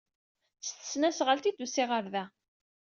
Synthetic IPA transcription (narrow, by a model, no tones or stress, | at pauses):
θst̪ə̥snæsʁəlt̪id̪usɪʁəɾðæ